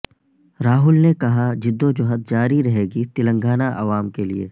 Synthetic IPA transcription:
ɾaːɦʊlnekɐɦad͡ʒɪd̪ːod͡ʒʊɦət̪̚d͡ʒaːɾiɾɐɦeːɡit̪ɪlə̃ŋɡaːnaʔɐ̰ʋaːmkelieː

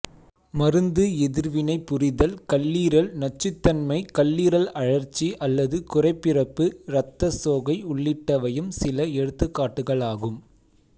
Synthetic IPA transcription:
mɐɾɯnd̪ɯɛðɪɾʋɪnɐɪpːʊrɪðɐlkɐlːiːɾɐlnɐt͡ʃːɯt̪ːɐnmɐɪkɐlːiːɾɐlɐɻɐɾt͡ʃːiʔɐlːɐðɯkʊrɐɪpːɪrɐpːɯɾɐt̪ːɐsoːɣɐɪʊɭːɪʈːɐʋɐjɯmsɪlɐɛɽɯt̪ːɯkːaːʈːɯɣɐɭaːɣɯm

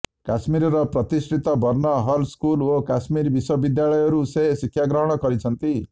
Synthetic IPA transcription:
kasmiɾɔɾɔpɾɔt̪isʈʰit̪ɔbʱɔɾnɔɦɔlskulokasmiɾbiswɔbid̪jaɭɔjɔɾuseɦsikʰːjaɡɾɔɦɔɽ̃ɔkɔɾit͡ʃʰʌnt̪i

